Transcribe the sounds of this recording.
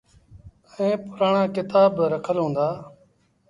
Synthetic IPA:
əẽːpʊɾaːɳãːkɪt̪aːbɾəkʰəlɦõːnd̪aː

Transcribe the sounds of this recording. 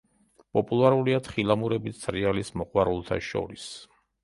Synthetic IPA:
pʼɔpʼulˠaɾuliat̪ʰχilˠamuɾɛbisʰɾɛalismɔqʼwaɾulˠt̪ʰa̰ʃɔ̰ɾis

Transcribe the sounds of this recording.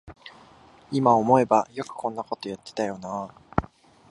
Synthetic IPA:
imaomo̞e̞bajo̞kɯ̟̥kʰõ̞nːako̞t̪o̞jat̪ːe̥t̪ajo̞naː

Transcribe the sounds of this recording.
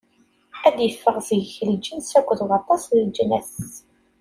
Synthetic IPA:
æðjəfːəʁzəʝçəld͡ʒənsækʷːðʁɑt̪ˤːɑsləld͡ʒnæθ

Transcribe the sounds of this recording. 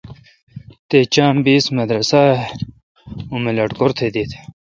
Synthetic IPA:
t̪et͡ɕaːmbiːsmɐd̪ɾɐsa | umelɐʈkoɾt̪ʰed̪it̪ʰ

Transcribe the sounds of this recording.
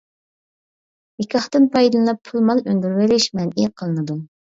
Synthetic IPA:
jikʲʰɑχt̪ɨnpʰɑjd̪ɨlˠlɑpʰːulˠmɑlˠønd̪yɾwɪɾɪʃmɛniqʰəlˠɨnɨd̪u

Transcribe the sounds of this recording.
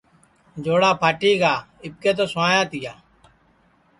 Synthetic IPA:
d͡ʒoːɽaːpʰaːʈiːɡaː | ɪp̚keːt̪̬oːsaːjaːt̪ɪjaː

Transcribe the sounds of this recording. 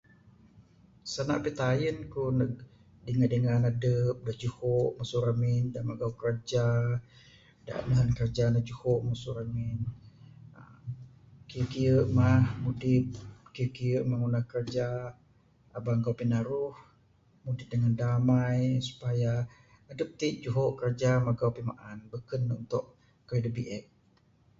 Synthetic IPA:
sana̰ʔpet̪ajənkunə | dəŋadəŋanadəp̚dad͡ʒuhoʔmasuɾamindamaɡawkərd͡ʒa | da̰ʔmaɦankərd͡ʒanad͡ʒuhoʔmasuɾamin | ə | kiəkiəʔmahmudɪt̚kiəkijəʔmaŋunahkərd͡ʒaː | baŋkawpinaɾʊh | mudɪt̪̚dəŋandamajsu̥pajaː | dəp̚t̪id͡ʒuɦoʔkəɾd͡ʒamaɡawpima̰ʔanbəkənunt̪ʊʔ | kadəbiʔɛk̚

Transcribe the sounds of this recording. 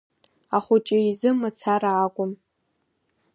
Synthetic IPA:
aχʷʊt͡ʃʼɪizɨmat͡sʰaɾaːkʷʼʊm

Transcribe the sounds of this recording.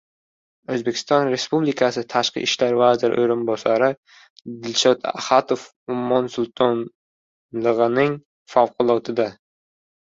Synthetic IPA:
ɵzbe̞kʲʰɪ̥st̪ɒnɾe̞spublikʰasɪt̪ʰaʃqɨ̰ʔɪʃlaɾvazɪɾ̰ʔo̰jɾɪnbɒsaɾɪ | d̪ɪlʃɒt̪a̰hat̪ʰof | ʊmːɒnsʊlˠt̪ʰɒn | lˠɨʁɨnɪŋ | fawqʰʊlˠɒt̪ʰɪd̪a

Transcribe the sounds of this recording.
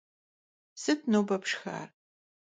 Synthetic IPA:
sɨt̚ʰnoːbɐpʰʂxa̰ːr

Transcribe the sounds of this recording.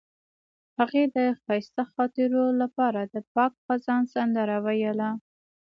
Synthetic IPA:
haɣed̪əxɑjst̪axɑt̪ɪɾolapɑɾad̪əpɑk̚xazɑnsand̪əɾawajəla

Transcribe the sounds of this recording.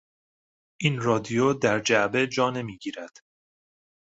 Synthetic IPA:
ʔiːnrɒːd̪ijod̪æɾd͡ʒæʔbe̞d͡ʒɒːne̞miːɟiːɾæd̪̥

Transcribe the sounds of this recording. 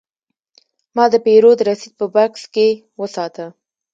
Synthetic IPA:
mɑd̪əpeɾod̪əɾasid̪̚pəbɑkske | wəsɑt̪ə

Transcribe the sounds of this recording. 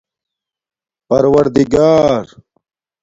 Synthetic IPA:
pɐɾwɐɾd̪iɡaːɾ

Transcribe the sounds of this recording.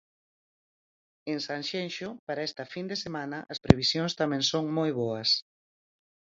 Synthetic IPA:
ensaŋʃenʃopaɾaest̪ɐfind̪esemanɐʔɐspɾeβisjoŋst̪amɛ̃ŋsoŋmojβoɐs

